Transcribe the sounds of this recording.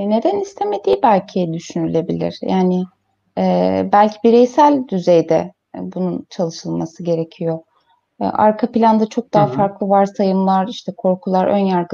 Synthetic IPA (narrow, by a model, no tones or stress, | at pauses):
ne̞d̪ænist̪ʰeme̞d̪iːbælʲcʰijd̪yʃynylʲe̞bilʲḭɾ̥jaːnɪ | ɛːbælʲcʰibiɾɛjsælʲd̪yzejd̪ɛ̰ | bununt͡ʃʰalˠɯʃɯlˠmasɯɟe̞ɾe̞cʰijo̞̰ | ʔa̰ɾkʰapilʲand̪at͡ʃʰo̞k̚d̪aɦafaɾklˠɯvaɾsajɯmlˠaɾiʃt̪ʰɛkʰo̞ɾkʰulˠaɾʔø̰njaɾɡɯ